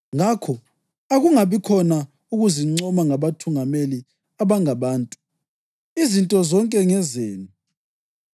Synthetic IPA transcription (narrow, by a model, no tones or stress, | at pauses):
ŋakʰɔ | aɣuŋaβikʰɔna | uɣuziŋ͡ǀɔmaŋaβatʰuŋameli | aβaŋaβaːntʼu̥ | izintʼɔzɔŋkʼɛŋɛzeːni